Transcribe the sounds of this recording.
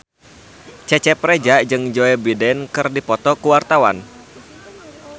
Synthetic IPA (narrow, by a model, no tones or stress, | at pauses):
t͡ʃɛt͡ʃɛpɾɛd͡ʒaʔd͡ʒɨŋd͡ʒoɛbidɛnkɨrdipɔt̪ɔkuwart̪awa̰n